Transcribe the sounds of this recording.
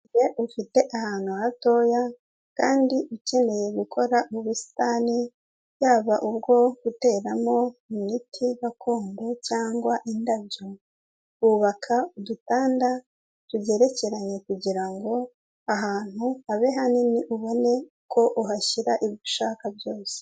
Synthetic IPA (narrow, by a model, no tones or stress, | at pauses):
jeʔufite̞ʔahaːn̥huato̞ja | kaːndiʔuce̞ne̞je̞ɡukʰo̞ɾauβusi̥tani | jaːβaʔub̚ɡo̞ɡute̞ːɾamo̞imitʰiβakʰo̞ːmdo̞caːŋɡwaʔindabjo | βuβakʰaudutaːnda | tuje̞ɾe̞ce̞ɾaɲe̞kuɟiɾaŋɡo̞ | aɦaːn̥huaβe̞ɦaniniʔuβo̞ne̞ | kʰo̞ʔuɦaʃiɾaʔiβu̥ʃaːkabjo̞ːse̥